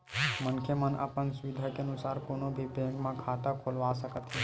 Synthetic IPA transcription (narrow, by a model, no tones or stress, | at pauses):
mənkʰemənə̰pənsʊʋɪd̪ʱakeənʊsaːɾkoːnobʱibʱẽːɡmãkʰaːt̪akʰoːlʋasəkət̪ɦe